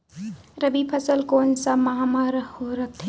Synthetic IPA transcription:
ɾəbipʰəsəlkoːnsamɐɦamaɾhoɾɐk̚t̪ʰ

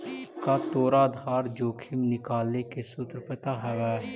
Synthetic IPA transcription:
kat̪oːɾaːd̪ʱaːɾd͡ʒoːkʰɪmnɪkaːlnekesʊt̪ɾəpət̪aɦɛːʋɛː

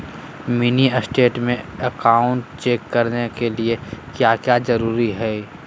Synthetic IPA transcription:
miniəsʈeːʈmẽɐkaːʊ̃ɳʈt͡ʃeːkːɐɾnekeliekjaːkjaːzɐɾuːɾiɦɛː

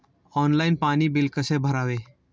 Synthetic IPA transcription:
ɔːnlaːɪnpaːnibɪlkəsebʱəɾaːʋeː

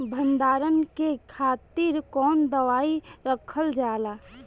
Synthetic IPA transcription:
bʱə̃nd̪aːɾənkekʰaːt̪iɾkɔːnd̪əʋaːiɾəkʰəld͡ʒaːlaː

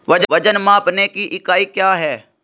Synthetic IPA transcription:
ʋɐd͡ʒʋɐd͡ʒənmãːpnekiʔɪkaːikjaːɦɛː

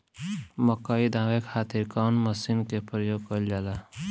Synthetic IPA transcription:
məkaid̪ãːʋekʰaːt̪iɾkanməsinkepɾəjoːɡ̚kəld͡ʒaːla

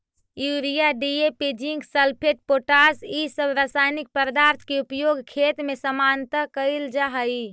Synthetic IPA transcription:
juɾijaɖiepid͡ʒiŋɡsəlpʰeʈ̚poʈasisəbʱɾasajnik̚pəɾd̪aɾt̪ʰkeupjoɡkʰet̪mesəmant̪əkəɪld͡ʒaɦəi

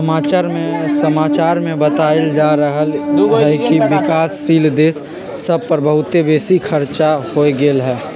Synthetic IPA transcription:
əmaːt͡ʃaɾmesəmaːt͡ʃaːɾmẽbət̪aːeld͡ʒaɾəɦəld͡ʒəɦkiʋɪkaːsːiːld̪eːsː | əb̚pəɾbəɦʊt̪ebeːsikʰəɾt͡ʃahoɡeːlɦɛː

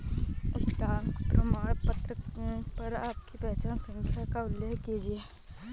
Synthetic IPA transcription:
ɪsʈaːŋkpɾɐmaːɽpɐt̪ɾəkpɐɾaːp̚kipɛɦt͡ʃaːnsɐ̃ŋkʰjakaʊlːeːkiːd͡ʒie

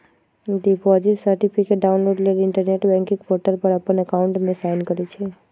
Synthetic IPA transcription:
ɖipɔziʈsəɾʈipʰikeʈ̚ɖaunloɖlelɪɳʈəɾneʈbɛ̃ŋkĩkpʰɔɾʈəlpəɾapənːeəkauɳʈmẽsajnkəɾet͡ʃʰe

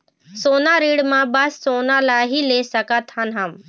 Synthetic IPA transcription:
soːnaːɾiːɽmãːbɐsːoːnalaːɦiːleːsəkat̪ʰanɦam

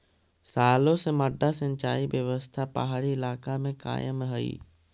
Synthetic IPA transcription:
saːlõsemɐɖʱasə̃ɲt͡ʃaːibjəʋəst̪ʰapa̰ɦaɾiɪlaːkamẽka̰ːjəmɦɐḭː

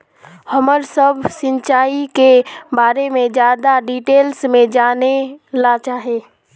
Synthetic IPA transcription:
həməɾsəbʱsɪ̃nt͡ʃaːikebaːɾemẽd͡ʒjaːd̪aɖiːʈeːlsmẽd͡ʒaːnelat͡ʃaːɦeː

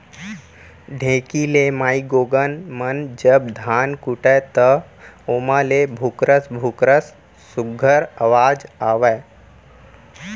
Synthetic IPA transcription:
ɖʱẽːkilemaːiɡoːɡənmənd͡ʒəb̚d̪ʱaːnkuʈət̪əoːmalebʱukɾəsbʱukɾəs | sʊɡʱəɾəʋaːd͡ʒaːʋɛ

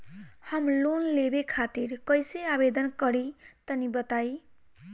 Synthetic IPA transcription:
hʌmlunlebekʰat̪iɾkʌjseabed̪ʌnkʌɾit̪ʌnibʌt̪aj

